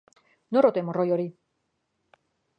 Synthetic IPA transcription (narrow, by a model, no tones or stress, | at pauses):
norot̪emorojoɾi